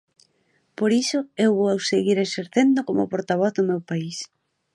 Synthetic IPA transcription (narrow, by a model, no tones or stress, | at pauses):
poɾisʊewβoawseɣiɾeseɾθend̪okomo̰poɾt̪aβ̞ɔθðomewpais